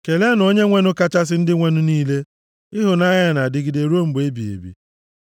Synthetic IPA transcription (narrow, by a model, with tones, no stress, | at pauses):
ke˨le˦no˦ɲe˦ŋʷe˦nʊ˦ka˦t͡ʃa˦s̬ɪ˦n̩˦dɪ˦ŋʷe˦nʊ˦niː˦le˦ | ɪ˦ɦʊ˨na˦ɲa˦˨na˨dɪ˦ɡɪ˨de˨ɾu˦o˦m̩˦be˦bi˨ḛ˨bḭ˨